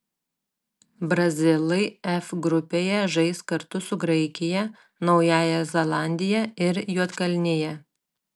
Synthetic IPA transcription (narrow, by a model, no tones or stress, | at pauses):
bɾɐzʲɪlˠɐɪɛfɡɾʊpʲeːjɛʒɐɪskɐɾt̪ʊsʊɡɾɐɪkʲɪjɛ | nɒʊjæːjɛzʲɛlˠɑˑnʲd̪ʲɪjɛɪɾjuɔt̪kɐlʲnʲɪjɛ